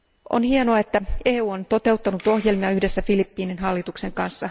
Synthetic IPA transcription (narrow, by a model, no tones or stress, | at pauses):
ʔo̰nhienoɑe̞t̪ːæeːuːont̪o̞t̪e̞wt̪ːɑnut̪o̞hje̞lmiɑyhdesːæfilipːiːninɦɑlːit̪ukse̞ŋkɑnsːɑ